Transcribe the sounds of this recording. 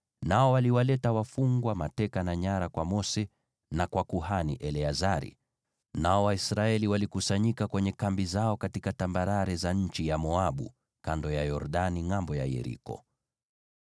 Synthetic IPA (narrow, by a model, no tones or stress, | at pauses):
naɔwaliwalɛtawafuŋɡwamatɛkanaɲaɾakwamɔsɛ | nakwakuɦaniʔɛlɛazaɾḭ | naɔwaisɾaɛliwalikusaɲikakwɛɲɛkambizaɔkatikatambaɾaɾɛzaɲ̩t͡ʃijamɔaɓṵ | kandɔjajɔɾɗaniŋambɔja̰jɛ̰ɾḭkɔ̰